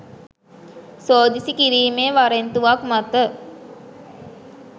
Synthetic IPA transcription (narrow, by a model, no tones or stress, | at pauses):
soːd̪isikiɾiːmeːʋaɾent̪uʋakmat̪ə